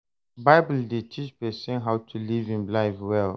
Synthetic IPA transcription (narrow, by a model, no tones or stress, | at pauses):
baɪbəldetʰit͡ʃpɛsɛ̃nɦaʊtʰulivĩnlaɪfwɛl